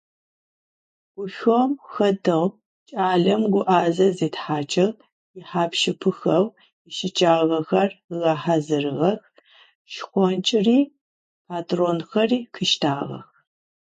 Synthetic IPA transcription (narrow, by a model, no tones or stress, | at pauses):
ɡ̥ʷʊʃomxɐtʰɐʁ | t͡ʃʼaːɮɐmɡʷʊʔaːzɐzeːtħaːt͡ʃʰʼɐʁ | jɪħaːpʃɪpʰɨxɐw | ɪʃɪt͡ʃʼaːʁɐxɐrɣaːħazɨrɨʁɐx | ʃxʷɔnt͡ʃʼɪriː | pʰaːtʰʼronxɐriːkʰɨʃtʰaːʁɐ̰x